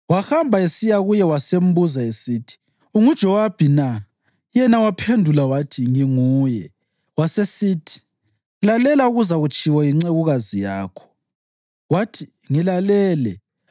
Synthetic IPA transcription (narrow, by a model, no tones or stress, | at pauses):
waxambʱaesijaɣujɛwasem̩buzaesiːtʰi̥ | uŋud̥ʒ̥ʱɔwab̥ʱina | jɛnawapʰendʱulawatʰiŋiŋuːjɛ | wasesiːtʰi̥ | lalɛlauɣuzaɣut͡ʃʰʼiwɔjiŋ͡ǀeɣuɣazijaːkʰɔ̥ | watʰi̥ | ŋilalɛːlɛ